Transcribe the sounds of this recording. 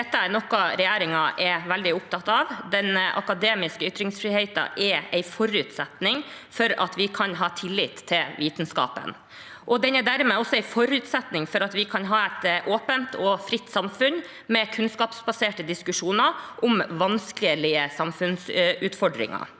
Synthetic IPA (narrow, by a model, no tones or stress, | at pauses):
d̪ɛt̪ːəæɾnɔkɔɾɛjæːɾɪŋɑʔɛʋæld̪ɪʊp̚t̪ʰɑt̪ːɑʋd̪ɛnʔɑ̰kɑd̪eːmɪskəʏt̪ɾɪŋsfɾiːheɪt̪ɑ̰ʔɛɾɛɪfɔɾʉːt̪sɛt̪nɪŋfɔɾɑ̰t̪ʋɪkʰɑnɦɑːt̪ʰɪlːɪːt̪ʰːɪlʋiːt̪ənskɑ̰ːpə̰n | ʔɔd̪ɛnɛd̪æɾmɛːɔsːɔɛɪfɔɾʉːt̪sɛt̪nɪŋfɔɾɑt̪ʋɪkʰɑnɦɑːɛt̪ʔoːpənt̪ʰɔfɾɪt̪ːsɑmfʉn | mɛkʰʉnskɑːpsbɑseːʈəd̪ɪskʉʂuːnəɾʔɔmʋɑnskəlɪəsɑmfʉnsʉːt̪fɔɖɾɪ̰ŋɑ̰